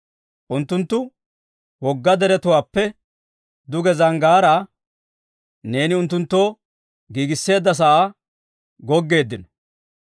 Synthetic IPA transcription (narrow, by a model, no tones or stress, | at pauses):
ʔʊnt̪ːʊnt̪ːʊ | wɔɡːɐd̪ɛɾɛt̪ʊwaːpːɛ | d̪ʊɡɛzɐŋɡaːɾɐ | ne̞ːnɪʊnt̪ːʊnt̪ːo̞ː | ɡiːɡɪsːe̞ːd̪ːɐs̬ɐʔaː | ɡɔɡːe̞ːd̪ːɪnɔ̥